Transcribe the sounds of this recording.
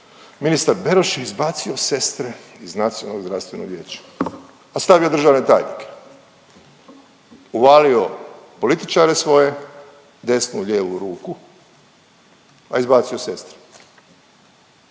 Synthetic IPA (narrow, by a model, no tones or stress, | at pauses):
minist̪aɾbe̞ɾoʃjeizbaːt̪sio̞se̞st̪ɾeiznat̪sijo̰noɡzɾafst̪ʋe̞noɡʋjeːt͡ɕḁ | ast̪aʋiod̪r̩ʒaːʋne̞t̪a̰ːjnḭke̥ | uʋaːlio̞ | po̞lit̪it͡ʃaːɾesʋo̞je̞ | d̪e̞snuʎeːʋuɾuːku | a̰izbaːt̪sio̞se̞st̪ɾe̥